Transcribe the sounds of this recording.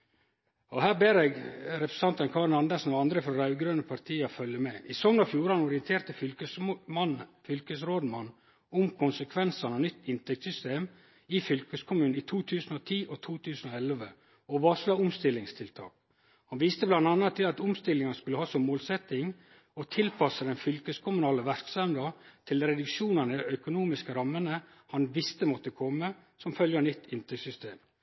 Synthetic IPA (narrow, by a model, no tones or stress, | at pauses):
ɔhæːɾbeːɾeːɡɾɛpɾɛ̥sɑnt̪ənkʰɑːɾnɑnd̪æʂn̩ɔɑnd̪ɾəfɾɔɾɑʉɡɾøːnəpʰɑɾt̪ʰiːɑfœljəmɛʔɪsɔŋnɑfjuːɾɑnɔɾɪənt̪ʰeːɾt̪əfʏlənfʏlkəsɾoːd̪mɑnː | ʊmkʰʊnsəkʰʋɛnsɑnɑnʏt̪ːɪnt̪ʰɛk̚t̪sʏst̪eːm | ifʏlkəskʰʊmʉːiːt̪ʰuːt̪ʰʉːsn̩ɔt̪ʰiːʔɔt̪ʰuːt̪ʰʉːsən̩ɔɛlʋə | ɔʋɑːʂlɑːʊmst̪ɪlːɪŋst̪ʰɪlt̪ʰɑ̰ːk | hɑnʋiːst̪əblɑnd̪ɑnːɑt̪ʰːɪlɑt̪ʊmst̪ɪlːɪŋɑnəskʉləhɑːsɔmːoːlsɛt̪ɪŋ | ɔt̪ʰɪlpʰɑsəd̪ɛnfʏlkəskʰʊmʉnɑːləʋæɾksɑmd̪ɑt̪ʰɪlɾɛd̪ʉkʃuːnənəd̪ɛœkʊnuːmɪskəɾɑmːənə | hɑnʋɪst̪əmɔt̪əkʰɔmːə | sɔmfœljənʏt̪ʰːɪnt̪ʰɛkt̪sʏst̪ḛːm